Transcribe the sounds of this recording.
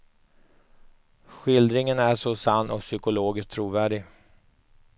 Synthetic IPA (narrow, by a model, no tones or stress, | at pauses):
ɧɪld̪ɾɪŋənæʂɔsanːɔksʏkʊloːɡɪsk̚t̪ʰɾuːvæːɖɪɡ